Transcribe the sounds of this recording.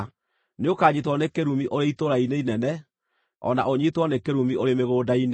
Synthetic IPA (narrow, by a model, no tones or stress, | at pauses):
neokaːɲitwɔnekeɾumiʔoɾeitoɾaineinɛnɛ | ɔ̰na̰ʔoɲitwɔnekeɾumioɾemeɣoːdain